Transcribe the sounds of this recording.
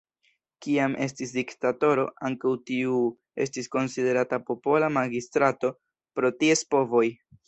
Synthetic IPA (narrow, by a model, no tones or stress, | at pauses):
kiamʔe̞̰s̬tisdiktato̞ɾo̞aŋkawtiu | e̞̰s̬tisko̞nside̞ɾatapo̞po̞lamaɡistɾato̞ | pɾo̞tie̞spo̞vo̞j